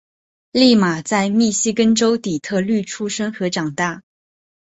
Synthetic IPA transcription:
li˥˩ma˨˩t͡sa˥˧ɪmi˥˩ɕi˥kə˥nʈ͡ʂo˥ʊt̪i˨˩t̪ʰɤ˥˧ly˥˩ʈ͡ʂʰu˥ʂə˥ŋxɤ˧˥ʈ͡ʂɑ˨˩ŋt̪a˥˩

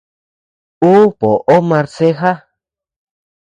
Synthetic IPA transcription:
u˦po˨ʔo˦ma˧ɾse˦ɦa˦

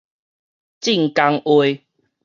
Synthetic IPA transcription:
t͡ɕi˥˨ŋka˧ŋwe˧˦

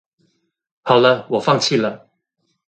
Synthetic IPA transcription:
hɑ˨˩ʊlə˦wɔ˨˩fɑ˥˧ŋt͡ɕʰi˥˩lə˩

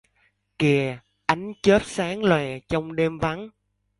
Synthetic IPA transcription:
ki˨˩ə | ʔa˨˦jŋ̟t͡ɕəː˦˥p̚saː˨˦ŋlwɛ˨˩t͡ɕɔ˧wŋ͡mɗe˧mva˨˦n

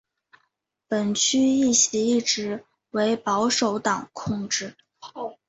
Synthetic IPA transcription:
pə˨˩nt͡ɕʰy˥i˥˩ɕi˧˥i˥˩ʈ͡ʂɻ̩˧˥ | we˧˥ɪpɑ˧˥ʊʂo˨˧˥ʊt̪ɑ˨˩ŋkʰʊ˥˧ŋʈ͡ʂɻ̩˥˩

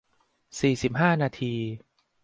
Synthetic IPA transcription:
siː˨˩si˨˩p̚ɦaː˥˩naː˧t̪ʰiː˧

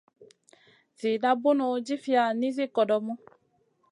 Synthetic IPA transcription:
zi˨da˦bu˦nɔ˨˦d͡ʒi˦fi˦a˨nĩ˦zi˦kɔ˨dɔ˨mɔ̃˦

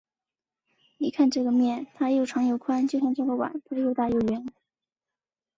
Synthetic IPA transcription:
ni˨˩kʰa˥˧nʈ͡ʂɤ˥˩ɡə˩mjɛ˥˩nt̪ʰa˥jjo˥˩ʊʈ͡ʂʰɑ˧˥ŋjo˨˩ʊkʰwa˥nt͡ɕjo˥˧ʊɕ̬jɑ˥˧ŋʈ͡ʂɤ˥˩ɡə˧˩wa̰˨˩˦npu˧˥ʂ̩˥˧jo˥˧ʊt̪a˥˧jo˥˩ʊɥɛ˧˥n

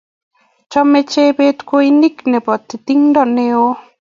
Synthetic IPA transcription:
t͡ʃɔ˦me˦t͡ʃe˦be˦t̪ko˦i˦ni˦knɛ˨bɔ˨t̪ːt̪i˦ŋdɔ˦˨ne˦o˦

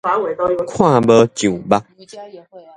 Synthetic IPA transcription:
e˨˩˦kʰwã˥˨bə˧˦t͡ɕjo˨˩ba˧˦

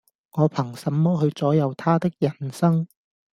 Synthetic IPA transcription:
ŋɔː˨˧pʰɐ˨˩ŋsɐ˨mːɔː˥ɦɵ˧ɥt͡sɔː˨˥jɐ˨˧wt̪ʰaː˥t̪ɪ˥k̚jɐ˨˩nsɐ˥ŋ

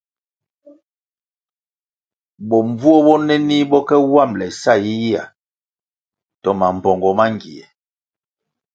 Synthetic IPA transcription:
bɔ˨ɱvu˦ɔ˦bɔ˦nɛ˦ni˦bɔ˦kɛ˦wa˦˨mlɛ˨sa˦˨ji˦ji˦a̰˨ | tɔ˦ma˨m̩˨bɔ˨ŋɡɔ˨ma˦ŋɡḭ˨ɛ̰˨

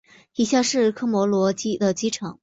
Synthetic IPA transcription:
i˧˥ɕja˥˧ʂɻ̩˥˩kʰɤ˥mwɔ˧˥lwɔ˧˥t͡ɕi˥d̪ə˨t͡ɕi˥ʈ͡ʂʰɤ˧˥˦ŋ

